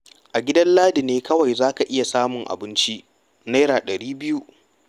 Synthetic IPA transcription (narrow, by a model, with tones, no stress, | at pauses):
ʔa˨ɡʲɪ˦dɐ˦nlaː˦dɪ˨neː˦kɐ˦wa˨jzaː˦ka˨ʔɪ˦ja˨saː˦mʊ˨ŋʔa̰˨bɪ˦nt͡ʃi˦ʔ | neː˦ɾaː˨ɗɐ˨ɽiː˦bɪ˦ju˦